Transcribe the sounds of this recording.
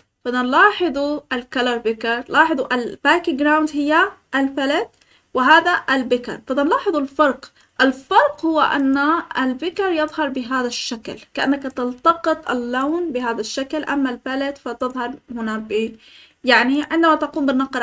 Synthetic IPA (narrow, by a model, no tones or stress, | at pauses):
fɑd̪ɑnlɑːħɑðˤualkalɑɾˤbɪkɪɾˤlɑːħɨðˤuʔalb̥aːkɪɡɾawnd̪hɪjːaʔalfalad̪̚ | wɪɦaːðaʔɪlbɪkɑ̰ɾˤfɑd̪ɑnlɑːħɨðˤʊlfɑɾˤq | ʔɪlfɑɾˤqhʊwːaʔa̰nːaalbɪkɑɾjɨðˤɦɑɾˤbɪɦaːðaʃːaklkaʔa̰nːakat̪ɪlt̪ɑqɨt̪ˤʔɪ̰lːawnbɪɦaːðaʃːaklʔamːalfalad̪fat̪ɨðˤhɑɾˤhʊnabi | jaʕniʕɪnd̪amat̪aquːmbɪnːɑqɾ